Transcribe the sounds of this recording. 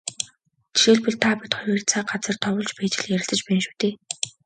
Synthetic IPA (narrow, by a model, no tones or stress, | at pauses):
t̪ʰi̥ʃeːɮpɵ̆ɮt̪ʰaːpit̪χɔjiːrt͡sʰaːɢat͡sə̆rt̪ʰɔwʊ̆ːɮt͡ɕpæːt͡ɕɪ̆ɮjæɾʲɪ̆ɮt̪ə̆t͡ɕpæːnʃu̥ːt̪eː